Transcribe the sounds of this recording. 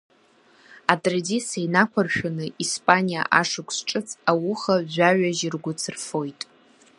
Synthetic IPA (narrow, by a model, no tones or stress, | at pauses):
atʼradisajnakʷʰarʃᶣanɨʔispʼanija̰ʔaʂɨkʷʰsʈ͡ʂʼɨt͡sʰawʊχaʒaɥʷaʒɪrɡʷʊt͡sʰɨrfo̞jtʼ